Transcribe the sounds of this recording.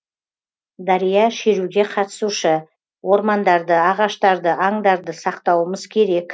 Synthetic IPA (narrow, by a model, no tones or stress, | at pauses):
d̪ɑɾijɑʃeɾuɡʲe̞qʰɑt̪ə̥suʃə | wo̞ɾmɑnd̪ɑɾd̪əɑʁɑʃt̪ɑɾd̪əʔɑɴd̪ɑɾd̪əsɑqt̪ɑwəməzkʲʰe̞ɾe̞k